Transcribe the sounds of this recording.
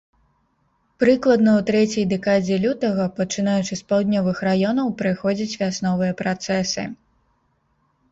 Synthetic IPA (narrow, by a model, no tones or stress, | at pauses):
pɾɨklˠɐd̪nɐwt̪ɾɛt͡sʲɐjd̪ɛkad͡zʲɛlʲut̪ɐɣɐpɐt͡ʂɨn̪ajut͡ʂɨspawd̪ʲnʲɔvɨxɾajɔnɐwpɾɨxɔd͡zʲit͡sʲvʲasnɔvɨjɐpɾat̪sɛsɨ̰